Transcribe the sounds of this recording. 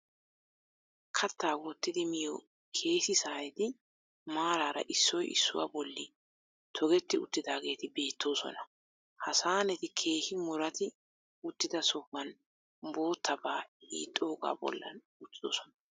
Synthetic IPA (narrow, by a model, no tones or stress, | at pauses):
kʰɐt̪ːaːɡoːt̪ːɪd̪ɪmɪjɔ | kʰe̞ːsɪsaːjɛt̪ɪ | maːɾaːɾɐ̰ʔɪsːɔjɪ̰sːʊ̰wa̰bɔlːɪ | t̪ʰɔɡɛt̪ːɪʊ̰t̪ːɪd̪aːɡe̞ːt̪ɪbe̞ːt̪ʰːo̞ːsɔ̰nɐ | hɐsaːnɛt̪ɪkʰe̞ːhɪmʊɾɐt̪ɪ | ʊt̪ːɪd̪ɐsɔwɐn | bo̞ːt̪ʰːɐbaːḭːt̪ʼːo̞ːɡa̰ːbɔ̰lːɐ̰n | ʊt̪ːɪd̪o̰sɔnɐ̥